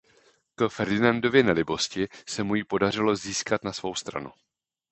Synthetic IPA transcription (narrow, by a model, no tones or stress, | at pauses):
kfɛɾdɪnando̞vjɛnɛlɪbo̞scɪsɛmujipo̞dar̝ɪlo̞ziːskat̪nasvo̞wst̪ɾa̰nṵ